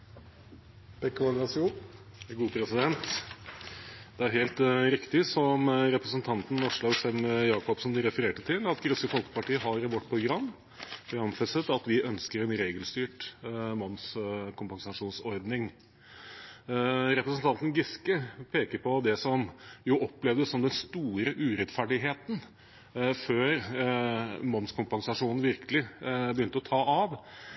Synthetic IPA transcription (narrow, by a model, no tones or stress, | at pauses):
b̥ɛkːʋɑnɾɑsu | ɡuːpʰɾɛsɪd̪ɛnt̪ | d̪ɛæɾɦeːlt̪ɾɪkt̪ɪsɔmɾɛpɾəsənt̪ʰɑnt̪n̩ːɔʂlɑɡsɛmjɑːkɔpsɔmd̪ɪɾɛfəɾeːʈət̪ʰɪlɑt̪ɡɾʉsəfɔlkə̥pɑʈiːəɦɑɾʋɔʈ̪̚ːpʰɾʊɡɾɑmː | fɑnfɛsət̪ɑt̪ʋɪʔœnskəɾɛnɾeːɡəlst̪yːʈmɔnskʰʊmpɑŋsɑʂuːnsɔɾd̪nɪŋ | ɾɛpɾəsənt̪ʰɑnt̪n̩ɡɪskəpʰeːkəɾpɔd̪ɛsɔmjʊʔɔpːlɛʋd̪əsɔmd̪ɛnst̪uːɾəʔʉːɾɛt̪fæɖɪɦeːt̪n̩ | føːɾ | mɔnskʰʊmpɑŋsɑʂuːnn̩ʋɪɾkʰəlɪbəjʏnt̪əɔt̪ʰɑːɑʋ